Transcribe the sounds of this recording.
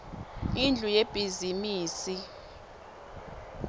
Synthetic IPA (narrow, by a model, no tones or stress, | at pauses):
ind͡ɮʱujeb̥ʱizimiːsi